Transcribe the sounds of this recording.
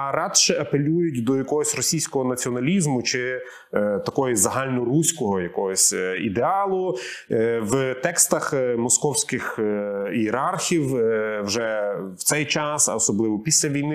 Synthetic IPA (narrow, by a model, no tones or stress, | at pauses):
ɐɾɑd̪ʃɛɐpelʲujʊt̚ʲd̪ɔjɐkɔɦɔsʲrɔsʲijsʲkɔɦɔnɐt͡sʲiɔnɐlʲizmʊt͡ʃɪ | t̪ɐkɔjɔzɐɦɑlʲnɔrusʲkɔɦɔjɐkɔɦɔsʲḭd̪eɑlˠʊ | wt̪ɛkst̪ɐxmɔskɔwsʲkɪxiːɾɑrxʲiwwʒɛw̥t̪sɛjt͡ʃɑsɐ̰ɔsɔblˠɪʋɔpʲisʲlʲɐʋʲijnɪ